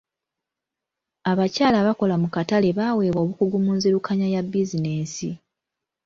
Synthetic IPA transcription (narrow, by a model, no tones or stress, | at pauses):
aβacaːlaβako̞lamukatale̞βawe̞ːβwo̞βukuɡumuːnziɾukʰaɲajabːizineːsḭ